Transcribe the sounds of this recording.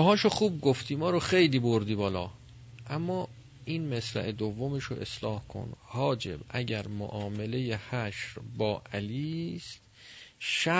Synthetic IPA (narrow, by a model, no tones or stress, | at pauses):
ɒɦɒːʃoχuːb̚ɡoft̪ʰiːmɒːɾoxejliːboɾd̪iːbɒːlɒ̰ː | ʔæmːɒː | iːnmæslæ̰ʔed̪ovːomeʃo̰ʔḛslɒːhkʰo̰nhɒːd͡ʒe̞̰bʔæɟæɾmo̰ʔɒːmele̞jehæʃɾbɒːʔæliːst̪̚ | ʃæ